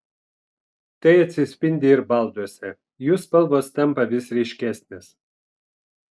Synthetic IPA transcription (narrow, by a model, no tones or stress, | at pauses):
t̪ɐɪɐt̪ʲsʲɪsʲpʲɪnʲd̪ʲɪɪɾbɐˑlˠd̪uɔsʲɛ | juːspɐlˠboːst̪ɛmpɐʋʲɪsɾʲɛɪʃʲkʲæːsʲnʲeːs